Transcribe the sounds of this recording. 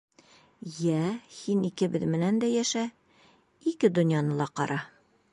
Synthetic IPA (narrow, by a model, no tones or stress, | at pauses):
jæhinikɘ̆bɘðmɘ̆nænd̪æjæʃæ | ikɘd̪ŏnjɑnɤlˠɑqɒ̰ɾʔɑ